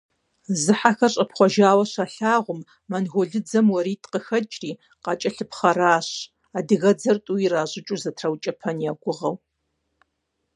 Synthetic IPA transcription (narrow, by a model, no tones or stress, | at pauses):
zɨħaxɐrɕʼɐpχʷɔʒaːwɐɕaɬaːʁʷʊmː | ɐnɣʷʊɮɨd͡zɐmwɐɾiːtʰqəxɐt͡ʃʼriː | qɑːt͡ʃʼɐɬɨpχɐraːɕ | aːdɨɣɐd͡zɐrtʼuiraːʑɪt͡ʃʼuzɐtʰrɐwt͡ʃʼɐpʰɐnjaːɡʷʊʁɐw